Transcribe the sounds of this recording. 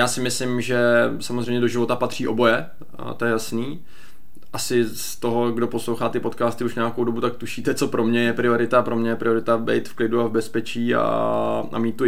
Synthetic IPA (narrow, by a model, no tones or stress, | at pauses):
jaːsɪmɪslɪmʒɛsamozrɛjmɲɛdo̞ʒɪvo̞t̪apat̪r̝̥iːʔo̞bo̞jɛ | t̪ojɛjasniː | ʔasɪst̪o̞ɦo̞ɡdo̞po̞slowxaːt̪ɪpo̞t̪kaːst̪ɪuʃɲɛjakowdo̞but̪ak̚t̪uʃiːt̪ɛt͡so̞pɾo̞mɲɛjɛpɾɪo̞ɾɪt̪apɾo̞mɲɛjɛpɾɪoɾɪt̪abɛ̰jt̪fklɪduavbɛspɛt͡ʃiːa̰a̰miːt̪ːu